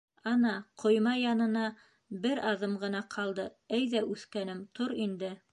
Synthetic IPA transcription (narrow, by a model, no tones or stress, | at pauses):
ɑnɑqʰŏjmɑjɑnɤ̆nɑ | bɘɾɑðɤmʁɤ̆nɑqʰɑlˠd̪ɤ | æjðæʔʉθkænɘmt̪ʰoɾind̪ɘ